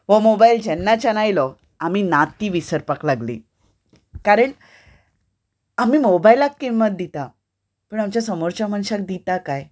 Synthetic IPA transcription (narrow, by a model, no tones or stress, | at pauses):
ʋəmobaild͡ʑɛnːat͡ɕanajlɔ | amiːnat̪iːʋisəɾpaklaɡlḭː | kaɾəɳ | amiːmobailakːimːət̪̚d̪it̪a | pəɳamt͡ɕjasəmoɾt͡ɕaməñɕak̚d̪it̪akaj